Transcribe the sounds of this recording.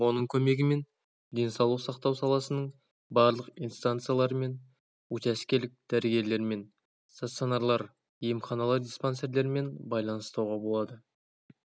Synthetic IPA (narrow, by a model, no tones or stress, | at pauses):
wo̞nəɴkʲʰɵme̞ɡʲɪme̞n | d̪e̞nsɑwlˠəqsɑqt̪ɑwsɑlˠɑsənəɴ | bɑɾlˠəqḭjnst̪ant̪sɨjalˠɑɾəme̞n | wɵt̪æskʲe̞lɪk̚d̪̥æɾɡʲe̞ɾle̞ɾme̞n | st̪at̪sonaɾlˠɑɾ | ijəmχɑnɑlˠɑɾdʲisponse̞ɾle̞ɾɪme̞nbɑjlˠɑnəst̪ɑwʁɑbo̞lˠɑd̪ə